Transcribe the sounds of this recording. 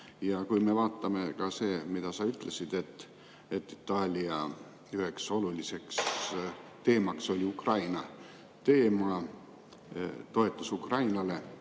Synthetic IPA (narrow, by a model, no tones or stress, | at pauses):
jɑkujme̞vɑːt̪ːˑɑme̞kɑse̞ːmid̪̥ɑsɑyt̪ːˑle̞sid̪̥e̞t̪ː | e̞t̪ːˑit̪ːˑɑːlʲiɑ | yɦe̞kso̞lulise̞ks | t̪e̞ːmɑkso̞lʲiukrɑjnɑ | t̪e̞ːmɑ | t̪o̞e̞t̪ˑːusukrɑjnɑle̞